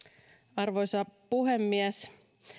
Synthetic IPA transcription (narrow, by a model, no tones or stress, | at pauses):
ɑrʋojsɑpuɦemːiæs